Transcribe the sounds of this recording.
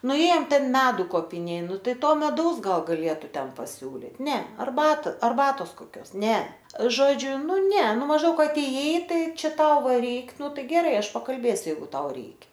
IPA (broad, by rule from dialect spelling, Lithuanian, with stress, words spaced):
nʊˈeːjoːm ˈtʲɛn ˈmʲæːdʊ koːpʲɪˈnʲeː ˈnʊ ˈtɐɪ ˈtoː mʲɛˈdɐʊs ˈɡɐlˠ ɡɐˈlʲeːtʊ ˈtʲɛn pɐˈsʲuːlʲɪt ˈnʲɛ ɐrˈbɐt ɐrˈbɑːtoːs koːˈkʲoːs ˈnʲɛ ˈʒoːd͡ʒʲʊ ˈnʊ ˈnʲɛ ˈnʊ mɐʒˈdɐʊk ɐˈtʲeːjɛɪ ˈtɐɪ ˈt͡ʃʲɛ ˈtɐʊ ˈʋɐ ˈrʲɛɪk ˈnʊ ˈtɐɪ ɡʲɛˈrɐɪ ˈɐʃ pɐkɐlʲˈbʲeːsʲʊ ˈjɛɪɡʊ ˈtɐʊ ˈrʲɛɪkʲɛ